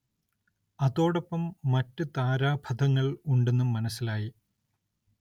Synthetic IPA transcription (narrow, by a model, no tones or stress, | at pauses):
ɐðo̞ːɽopːɐmːɐtːɨt̪aːɾaːbʱɐd̪ʱɐŋːɐɭuɳɖe̞nːumːɐnɐsːilaːji